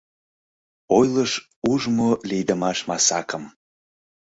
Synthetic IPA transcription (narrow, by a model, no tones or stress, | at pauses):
ojləʃ | uʒmolijd̪əmɑʃmɑsɑkəm